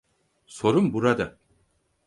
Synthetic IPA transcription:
so̞ɾumbuɾad̪a

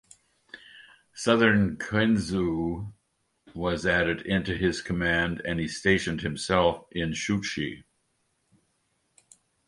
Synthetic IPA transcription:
sʌðə̃˞nkʰɛ̃nzu | wʌzæɾɨɾɪ̃ntʉɪz̥kʰəmæ̃ndɨ̃nisteɪʃɨ̃n̩d̚hɨ̃msɛlˠfɪ̃nʃʉt͡ʃi

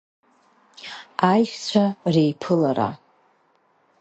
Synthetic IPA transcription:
ajʃʷᶣt͡ɕʷʰarejpʰɨlaɾa̰

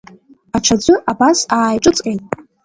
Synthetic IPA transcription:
aʈ͡ʂʰad͡ʒʷɨʔabasaːjʈ͡ʂʼɨt͡sʼkʼejtʼ

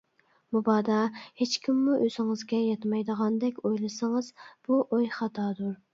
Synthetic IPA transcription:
mubɑːd̪ɑhet͡ʃkʲʰimːuʔøzɪŋɨzɡʲɛjɑt̪ʰmɑjd̪əʁɑnd̪ɛkʲojlˠɨsɨŋɨzb̥uʔojχɑt̪ʰɑːd̪uɾ

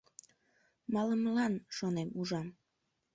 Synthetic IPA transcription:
mɑləmlɑnʃonemuʒɑm

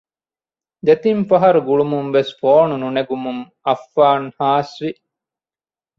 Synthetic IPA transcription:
d̪et̪imfɐɦɐɾuɡuɭumumʋesfoːnununeɡumuŋ | ɐfːaːŋhaːsʋi

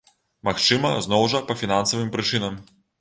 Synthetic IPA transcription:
maxt͡ʂɨmɐznɔwʐɐpɐfʲinansɐvɨmpɾɨt͡ʂɨnɐm

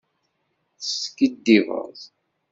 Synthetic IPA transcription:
θəskid̪ːivə̰ðˤ

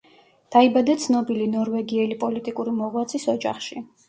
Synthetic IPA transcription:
d̪̥aibad̪at̪sʰnɔbilinɔɾvɛɡiɛlipʼɔlit̪ʼikʼuɾimɔʁwat̪sʰisɔd͡ʒa̰χʃi

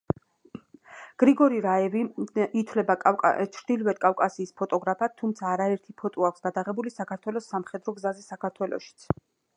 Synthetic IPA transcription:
ɡ̥ɾiɡɔɾiɾaɛviit̪ʰwlɛba̰t͡ʃʰɾd̪̥ilvɛd̪̚kʼafkʼasiːspʰɔt̪ʼɔɡɾapʰat̪ʰːumt̪sʰaːɾaɛɾt̪ʰipʰɔt̪ʼɔakʷʰsɡ̥ad̪aʁɛbulisakʰaɾt̪ʰwɛlɔsːamχɛd̪ɾɔɡzazɛsakʰaɾt̪ʰwɛlɔ̰ʃi̥t̪sʰ

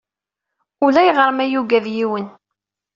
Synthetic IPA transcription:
ulæjʁəɾˤmæjuɡæðjiwən

